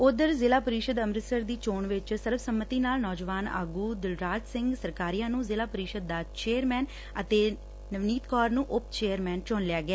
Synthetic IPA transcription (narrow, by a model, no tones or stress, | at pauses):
ʊd̪əɾzɪlaːpəɾiːʃəd̪əmɾəsəɾd̪iːt͡ʃoːɳʋɪt͡ʃsəɾəbsəmːət̪iːnaːlnɔːd͡ʒʋaːna̰ːɡuːd̪ɪlɾaːd͡ʒsɪ̃ŋɡsəɾkaːɾiːãːnũːzɪlaːpəɾiːʃəd̪̚ːaːt͡ʃeːəɾmɛːn | ət̪eː | nəʋniːt̪kɔːɾnũːʔʊpt͡ʃeːəɾmɛːnt͡ʃoːnlɪaːɡɪaː